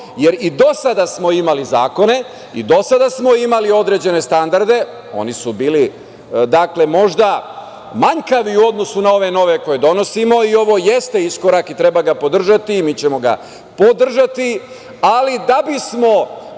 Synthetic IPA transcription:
je̞ɾid̪o̞sad̪asmo̞imalizaːko̞ne̞ | ḭd̪o̞sad̪asmo̞imalio̞d̪ɾe̞d͡ʑe̞ne̞st̪and̪aɾd̪e̞ | o̞̰nisubiːli | d̪akle̞mo̞ʒd̪a | maɲkaʋiuo̞d̪no̞sunao̞ʋe̞no̞ʋe̞ko̞je̞d̪o̞no̞simo̞io̞ʋo̞je̞st̪e̞isko̞ɾakit̪ɾe̞baɡapo̞d̪r̩ʒat̪iːmiːt͡ɕe̞mo̞ɡa̰ | pod̪r̩ʒat̪i | alid̪abismo̞

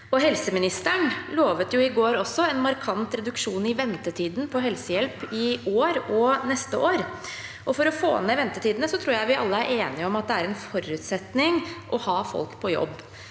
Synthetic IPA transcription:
ɔɦɛlsəmɪnɪst̪əɳloːʋət̪jʊɪɡoːɾɔsːɔɛnmɑɾkʰɑnt̪ɾɛd̪ʉkʂuːnɪʋɛnt̪ət̪ʰiːd̪n̩pʰɔɦɛlsəjɛlpɪoːɾɔnɛst̪əʔoːɾ | ʔɔfɔɾɔfo̰ːnmeːʋɛnt̪ət̪iːd̪ənəsɔt̪ʰɾuːɾjæɪʋɪʔɑlːəæɾʔeːnɪɔmɑt̪̚d̪ɛæɾɛnfɔɾʉːt̪sɛt̪nɪŋʔɔhɑːfɔ̰lkpʰɔjɔ̰bː

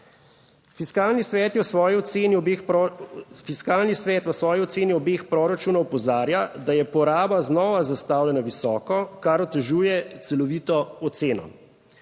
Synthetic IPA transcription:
fiskaːlnisʋɛːt̪jɛwsʋɔːjiɔt̪seːniɔb | fiskaːlnisʋɛːt̪ʋəsʋɔːjiɔt̪seːniɔbeːxpɾoːɾat͡ʃuːnɔwpɔzaːɾjad̪ajɛpɔɾaːbaznɔːʋazast̪awlʲjɛnaʋisɔːkɔkaɾɔt̪ɛʒuːjɛt̪sɛlɔʋiːt̪ɔːt̪seːnɔ̰

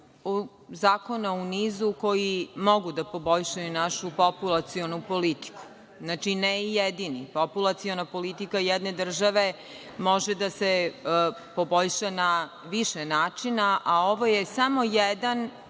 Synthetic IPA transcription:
u | zaːko̞nauniːzuko̞jimo̞ɡud̪apo̞bo̞ʎʃajunaʃupopulˠat̪sionupo̞lit̪i̥ku̥ | znaːt͡ʃinɛijed̪inipopulˠat̪sio̞napo̞lit̪ikajɛd̪ne̞d̪r̩ʒaʋe̞ | mo̞ʒed̪ase | po̞bo̞ʎʃana | ʋiʃenaːt͡ʃinaʔao̞ʋo̞jesamo̞jɛd̪an

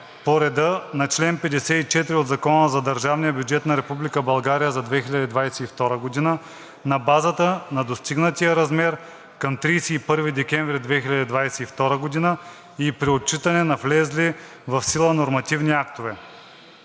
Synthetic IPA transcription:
poɾɛd̪ənɐt͡ʃlɛnpɛd̪ɛsɛit͡ʃɛt̪ɾiod̪zɐkɔnəzɐd̪ɐɾʒavnijəbjud͡ʒɛt̪nɐɾɛpublikəbɐlˠɡaɾijəzɐd̪vɛxilʲɐd̪id̪vajsɛift̪ɔɾəɡod̪inə | nɐbazət̪ənɐd̪ost̪iɡnət̪ijəɾɐzmɛɾ | kɐmt̪ɾijsɛipɤɾvid̪ɛkʲɛɱvɾid̪vɛxilʲɐd̪id̪vajsɛift̪ɔɾəɡod̪inə | ipɾiott͡ʃit̪ɐnɛnɐflɛzli | vɐfsilˠənoɾmɐt̪ivniakt̪ovɛ

